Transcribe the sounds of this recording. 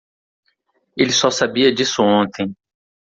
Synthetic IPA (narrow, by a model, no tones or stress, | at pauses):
elɪsɔsabiɐd͡ʒisʊõnt̪ʰẽj̃